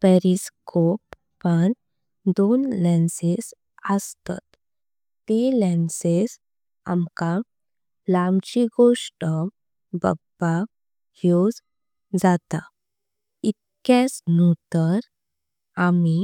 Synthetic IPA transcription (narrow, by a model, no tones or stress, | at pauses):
peɾiskʰopː | əɳ | d̪onlɛnses | əst̪a̰t̪ː | elɛ̃nses | a̰mka | lamt͡ɕiɡoʂʈə | bə̰ba | hjod͡z | d͡zat̪a | it̪̚ | kɛsnut̪əɾ | ami